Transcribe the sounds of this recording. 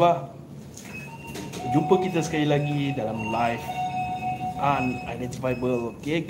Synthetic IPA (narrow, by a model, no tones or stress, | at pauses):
ba | d͡ʒupəkit̪asə̥kalilaɡidalamlajf | ʔãnajdɛ̃nt̪ifajbəloke